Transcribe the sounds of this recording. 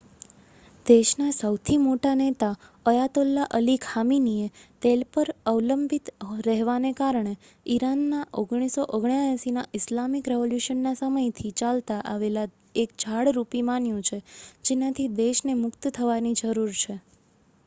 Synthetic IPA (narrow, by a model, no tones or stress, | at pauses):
d̪eʃnasəwt̪ʰimoʈanet̪aəjat̪olːaʔəlikʰaminiet̪elpəɾəwləmbʱit̪ɾɛɦʋanekaɾɳ̃e | iɾanːaʔoɡɽ̃isoʔoɡɳjajasinaʔɪslamikɾeʋoljuʃənːasəməjt̪ʰit͡ʃalt̪aʔaʋela | ek̚d͡ʒʱaɽɾupimanjũt͡ʃʰed͡ʒenat̪ʰid̪eʃnemʊkt̪t̪ʰəʋanid͡ʒəɾuɾt͡ʃʰe